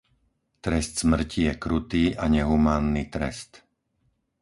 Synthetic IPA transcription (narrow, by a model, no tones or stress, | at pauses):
t̪ɾɛst̪z̥mr̩cijɛkɾut̪iːʔaɲɛɦumaːnːiːt̪ɾɛ̰st̪